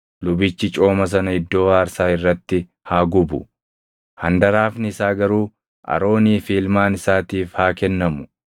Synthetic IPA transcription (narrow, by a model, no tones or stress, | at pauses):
lʊbɪt͡ʃːɪt͡ʃʼo̞ːmɐs̬ɐnɐɪd̪ːo̞ːaːɾsaːɪrːɐt̪ːɪ | haːɡʊbʊ̰ | hɐnd̪ɐɾaːfnɪɪsaːɡɐɾuː | ʔɐ̰ɾo̞ːniːfiːlmaːnɪsaːt̪iːfhaːkɛnːɐmʊ